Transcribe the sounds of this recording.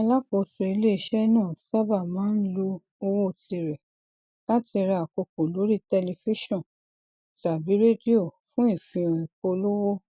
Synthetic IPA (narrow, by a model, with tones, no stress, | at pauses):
a˧la˦ko˧˨so˧i˧le˦i˧˨ʃɛ˦nãː˦˨sa˦ba˦˨mãː˨˦n̩˦lo˧ | o˧wo˦˨ti˧ɾɛ˨ | la˦ti˧ɾa˧a˨ko˧ko˨lo˨˦ɾi˦tɛ˧li˧fi˦ʃɔ̃˦˨ | ta˨bi˨˦ɾe˦di˦o˦˨fũ˨˦i˦˨fĩ˧ɾ̃ĩ˨ko˧lo˦wo˦